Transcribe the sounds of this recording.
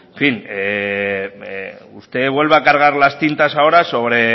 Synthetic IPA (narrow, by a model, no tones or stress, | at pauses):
fine | ust̪e̞βwe̞lβakaɾɣ̞aɾlast̪int̪asaoɾaso̞βɾe̞